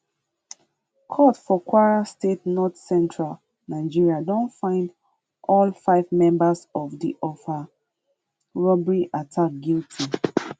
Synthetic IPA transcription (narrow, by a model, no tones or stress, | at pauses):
kʰɔtfɔkʰwaɹastetnɔtsɛ̃ntʰɹal | naɪd͡ʒiɹiadɔ̃ntfãɪ̃nd | ʔɔlfaɪvmɛ̃mbasɔvdiʔɔfa | ɹɔbɹiʔatʰak̚ɡiltʰi